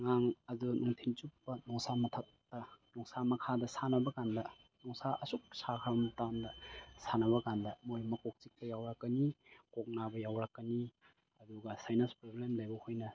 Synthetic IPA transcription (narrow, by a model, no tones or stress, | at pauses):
ŋaŋɐdunʔɔŋtʰint͡ʃupːɐnɔŋsamɐtʰɐk̚tɐnɔŋsamɐkʰadɐsanɐbɐkandɐ | nɔŋsaʔɐsuk̚sakʰaɾɐmtandɐsanɐβɐkandɐmojmɐkok̚t͡ʃik̚pɐjawɾakːɐnikok̚nabɐjawɾakːɐni | ɐduɡɐsajnanspɾoblemlajbɐhojnɐ